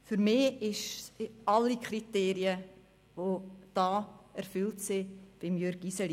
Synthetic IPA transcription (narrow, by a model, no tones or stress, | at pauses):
fyɾmɪɪʃɑlikχɾiteːɾiə | ʋod̥ɑːɛɾfʏltsɪb̥ɪmjøɾɡ̥isɛli